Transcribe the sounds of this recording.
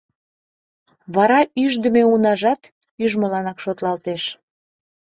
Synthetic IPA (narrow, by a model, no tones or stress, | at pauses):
βɑɾɑyʒd̪əmeunɑʒɑt̪ | yʒməlɑnɑkʃot̪lɑlt̪eʃ